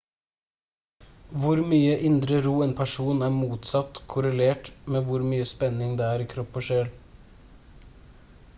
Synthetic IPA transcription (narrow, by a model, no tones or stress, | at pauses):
ʋʊɾmyːəʔɪnd̪ɾəɾuːeːnpʰæʂuːnæːmuːt̪sɑt̪kʰʊɾəleːʈmeːʋʊɾmyːəspɛnɪŋd̪eːæːɾiːkʰɾɔpːɔʃeːl